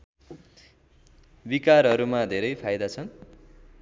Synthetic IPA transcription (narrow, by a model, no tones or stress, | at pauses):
bikaɾɦʌɾumad̪ʱeɾʌjpʰajd̪at͡sʰʌn